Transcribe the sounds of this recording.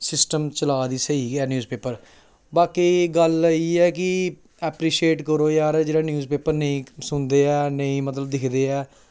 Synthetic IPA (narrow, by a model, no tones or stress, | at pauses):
sɪsʈəmt͡ʃəlaːd̪iːsəiːɡɛːnjuːzpeːpəɾ | baːkeːɡəliːɛːkɪ | ɛːpɾiːʃieːʈkəɾoːjaːɾd͡ʒeːɽaːnjuːzpeːpəɾnəĩːsʊnd̪eːɛːnəĩːmət̪ləb̚d̪ɪkʰd̪eːɛː